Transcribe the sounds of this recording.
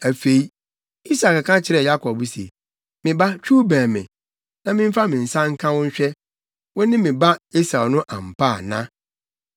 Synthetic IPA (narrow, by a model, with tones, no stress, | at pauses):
æ˨fe˨i˦ | i˦sa˨ka˨kʰã˦t͡ɕʰɪ˦ɾɛ˨ja˦kʰɔ˨bu˦si˨ḛ˨ | mɪ̃˨ba˦t͡ɕᶣu˦bæ̃ː˨mɪ̃˨ | nã˦mɪ̃˦m̩˦fa˦mɪ̃˨n̩˨sã˦ŋ̩˦kʰã˦wʊ̃˦ɲ̩˦ɕᶣɛ˦ | wɔ˦nɪ̃˦mɪ̃˨ba˦i˦sa˨nʊ̃˦ʔã˨m̩˨pʰa˦˨nã̰˦